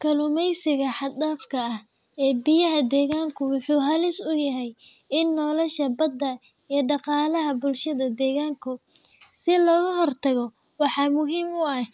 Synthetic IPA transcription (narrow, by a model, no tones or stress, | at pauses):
kʰɐlʊmɛjsɪɣɐħɑd̪aːfkʰɐɐh | ɛːbɪjɐɦɐd̪ɛːɣaːŋkʰʊwɑħuːɦɐlɪsʊjɐɦɛj | ɪnːɔːlɔʃɐbɐd̪ːɐ | iːɖɑqɑːlɐɦɐbʊlʃɐðɐd̪ɛːɣaːŋkʰʊ | sɪlɔːɣɐɦɔrt̪ʰɐɣɔ | wɑħɑːmʊɦiːmʊɐ